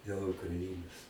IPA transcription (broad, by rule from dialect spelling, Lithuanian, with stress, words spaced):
dʲeːlˠ ʊkrɐˈɪnoːs